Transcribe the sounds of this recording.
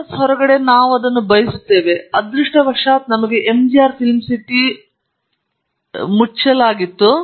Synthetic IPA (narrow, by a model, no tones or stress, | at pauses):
sɦɔɾɐɡɐɽe̞naːʋuɐd̪ɐnːubɐjisut̪ːe̞ːʋe̞ɐd̪ɾiʂʈɐbɐkʂaːt̪nɐmɐɡe̞ʔemd͡ʒijaːɾpʰilmsiʈi | mut͡ʃɐlaːɡit̪ːu